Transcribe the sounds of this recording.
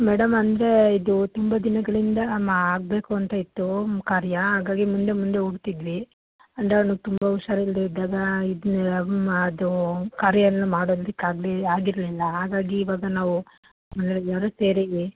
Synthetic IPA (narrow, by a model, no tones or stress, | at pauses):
mɛːɽɐmɐnd̪ɐɾe̞id̪ut̪umbɐd̪inɐɡɐɭind̪ɐmaaːɡ̚be̞ːkuɐnt̪ɐit̪ːukaːɾjɐɦaːɡaːɡimund̪e̞mund̪e̞uɽt̪id̪ʋi | ɐnd̪ɾenut̪umbɐuʃaːɾɐild̪eid̪aːɡɐid̪ | ɐd̪ukaːɾjɐnːumaːɽoːd̪d̪ikːaːɡliaːɡiɾɐlilːɐɦaːɡaːɡiːʋaːɡɐnaːʋu | mɐnd̪ɾejaːɾoseːɾi